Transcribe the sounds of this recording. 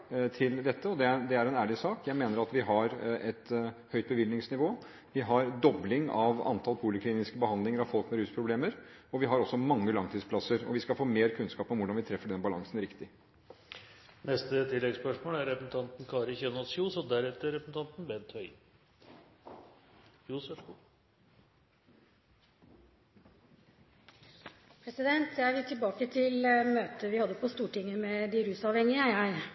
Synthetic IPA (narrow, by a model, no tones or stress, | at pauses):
t̪ʰɪld̪ɛt̪ːəɔd̪ɛd̪ɛæɾɛnæːɭɪsɑːkjæɪmeːnəɾɑt̪ʋɪɦɑɾɛt̪hœʏt̪̚bəʋɪlnɪŋsnɪʋoː | ʋɪɦɑɾd̪ɔblɪŋɑʋɑ̰nt̪ʰɑlpʰuːlɪkʰliːnɪskəbəɦɑnd̪lɪŋəɾɑʋfɔlkmɛɾʉːspʰɾʊbleːməɾɔʋɪɦɑɾɔsːɔmɑŋːəlɑŋt̪ʰiːspʰlɑsəɾɔ̰ʋɪskɑfoːmeːɾkʰʉnskɑːpɔmʋʊɖɑnʋɪt̪ʰɾɛfːəɖɛnbɑlɑŋsnɾɪkt̪ɪ | nɛst̪ət̪ʰɪlːɛɡspœʂmoːlæɾɛpəsn̩t̪ʰɑnt̪n̩kʰɑːɾəçɛnɔsjuːsɔd̪æɾɛt̪əɾɛpəsn̩t̪ɑnt̪n̩bɛnt̪ʰhœʏ | juːsɔʂku | pʰɾɛsɪd̪ɛnt̪ʰjæɪʋɪt̪ʰɪlbɑːkət̪ʰɪlmøːt̪əʋɪhɑd̪ːəpʰɔst̪uːʈɪŋːəmɛd̪ɪɾʉːsɑːʋhɛŋɪəjæɪ